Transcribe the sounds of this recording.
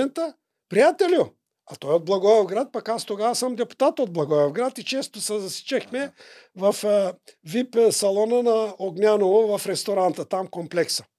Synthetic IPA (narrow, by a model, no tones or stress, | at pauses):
ɛnt̪ə | pɾijat̪ɛlʲjʊ | at̪ɔjod̪̚blˠɐɡɔovɡɾat̪̚pakast̪oɡasəmd̪ɛpu̥t̪at̪od̪̚blˠɐɡɔjovɡɾat̪it͡ʃɛst̪osɛzɐsi̥t͡ʃɛxmɛ | vɐfvipsɐlˠɔnənaoɡnʲanovovɐfɾɛst̪oɾant̪ət̪amkomplɛksə̥